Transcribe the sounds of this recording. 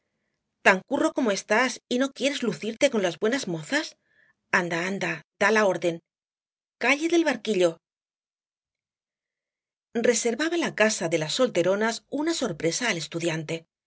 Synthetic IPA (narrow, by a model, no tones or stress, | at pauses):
t̪aŋkuro̞ko̞moe̞st̪asino̞kje̞ɾe̞zluθiɾt̪e̞ko̞nlazβwe̞nazmo̞θas | and̪aand̪ad̪̥alao̞ɾðe̞ŋ | kaʎe̞ðe̞lβaɾkiʎo̞ | re̞se̞ɾβaβalakasaðe̞lasːo̞lt̪e̞ɾo̞nasunaso̞ɾpɾe̞saːle̞st̪uðjant̪e̞